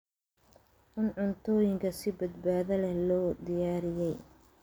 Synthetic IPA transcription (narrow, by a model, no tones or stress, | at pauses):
ʔɪnʕʊnt̪ʰɔːjɪŋkʰɐsɪbɐd̪baːðɐlɛlɔːd̪ɪjaːɾɪjɛj